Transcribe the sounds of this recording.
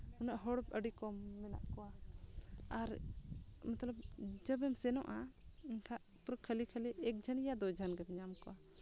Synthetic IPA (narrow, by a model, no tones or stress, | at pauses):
unaʔɦɔɽp̚əɖikɔmːɛna̰ʔkɔwa | aɾ | mat̪ləbd͡ʒəbɛmsɛnɔʔainkʰaʔ | pɾəkʰːəlikʰəliʔɛk̚d͡ʒʱənjad̪ɔd͡ʒʱanɡɛbɲamkɔwa